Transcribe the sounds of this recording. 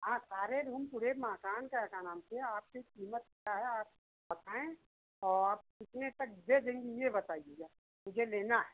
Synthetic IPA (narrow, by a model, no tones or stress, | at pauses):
ɦãːsaːɾeɾuːmpʊɾemaːkaːnkakanaːmt̪ʰeɛaːp̚kekiːmət̪kjaɦɛaːp̚ | bɐt̪aːẽ | ɔː | ɪt̪net̪ɐk̚bed͡ʒ̪ẽŋɡijebɐt̪aːieɡaː | mʊd͡ʒʱeleːnaɦɛː